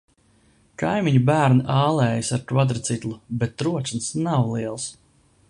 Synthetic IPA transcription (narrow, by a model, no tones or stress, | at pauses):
kajmʲiɲubæːɾnaʔaːlˠɛːjisaɾkvad̪ɾɨt̪sit̪lˠubet̪ːɾuɔt͡ʃ̪nsnawlˠiɛlˠs